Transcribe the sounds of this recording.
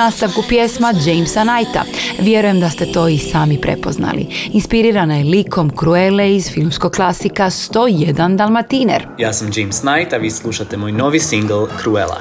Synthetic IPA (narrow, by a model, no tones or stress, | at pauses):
aːst̪aʋkupje̞smad͡ʒejmsanajt̪a̰ʋje̞ɾuje̞md̪ast̪e̞t̪o̞ːisaːmipɾe̞̰po̞zna̰lḭinspiɾiːɾanajelikʰo̞mkɾueleizfilˠmsko̞ɡ̚klˠasikast̪o̞ːjed̪and̪alˠmat̪inḛɾjaːsamd͡ʒejmsnajt̪aʋiːslˠuʃat̪emoːjno̞ʋisiŋɡl̩ˠkɾuela̰